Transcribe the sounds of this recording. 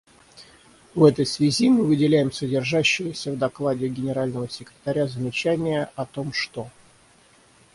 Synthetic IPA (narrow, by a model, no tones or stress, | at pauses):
vɛt̪əjsvʲɪzʲimɨvɨdʲɪlʲæjɪmsədʲɪrʐaɕːɪvəsʲəvd̪ɐklˠadʲɪɡʲɪnʲɪɾalʲnəvəsʲɪkɾʲɪt̪ɐɾʲazəmʲɪt͡ɕænʲɪjəɐt̪o̞mʂt̪o̞